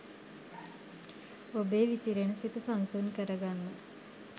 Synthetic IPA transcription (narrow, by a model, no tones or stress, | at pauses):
obeːʋisiɾenəsit̪əsansunkəɾəɡanːə